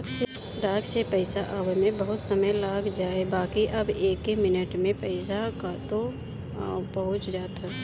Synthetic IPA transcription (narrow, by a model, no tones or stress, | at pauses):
se | ɾaːɡsepəɪsaʔaːʋemẽbəɦʊt̪səməjlaːkʰd͡ʒaːebaːkiʔɐbeːkːemɪnəʈmẽpəɪsakat̪o | pəɦʊ̃t͡ʃd͡ʒaːt̪a